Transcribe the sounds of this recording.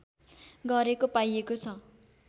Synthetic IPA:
ɡʌɾekopajekot͡sʰʌ

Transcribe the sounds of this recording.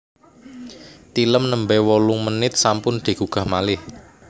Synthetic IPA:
t̪iləmnəmbɛwɔlʊŋmənɪt̪̚sampʊnd̪̥i̤ɡ̥uɡ̥a̤hmalɪh

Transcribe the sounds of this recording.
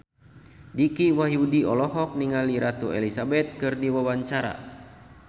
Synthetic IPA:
dikiwaɦiudiɔlɔɦɔk̚niŋaliɾat̪uɛ̰lisabɛt̪̚kɨrdiwawaɲt͡ʃaɾa̰

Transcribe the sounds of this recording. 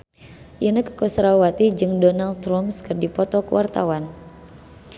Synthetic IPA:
jənəkə̥kɔsɾawat̪id͡ʒɨŋdɔnald̪ɾɔmskɨrdipɔt̪ɔkəwa̰rt̪a̰wan

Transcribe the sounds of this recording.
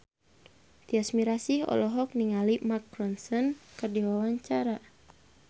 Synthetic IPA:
t̪iasmiɾasiɔ̰lɔɦɔk̚niŋalimakːɾɔnsɔnkɨrdiwawaɲt͡ʃaɾa

